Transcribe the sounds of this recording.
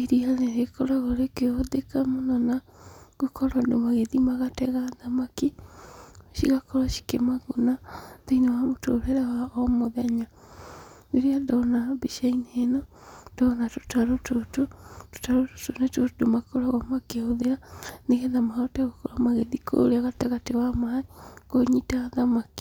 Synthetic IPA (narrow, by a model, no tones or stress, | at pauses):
iɾiaðeɾekɔɾaɣoɾekeoðekamonɔna | ɣokɔɾandomaɣeðimaɣatɛɣaðamaki | ʃiɣakɔɾaʃi̥kḛmaɣonadeinewamotoɾɛɾɛwaɔmoðɛɲa | neɾeandɔnabiʃainenɔ | ndɔnato̥taɾotototo̥taɾoto̥tonetodomakoɾaɣɔmakeoðeaneɣɛðamaɔtɛɣokɔɾamaɣeðikʰo̰ɾeaɣatɛɣatewamaikoɲitaːðamaki̥